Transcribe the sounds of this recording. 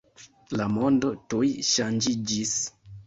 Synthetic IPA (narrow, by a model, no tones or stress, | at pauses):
lamo̞ndo̞tujʃand͡ʒid͡ʒis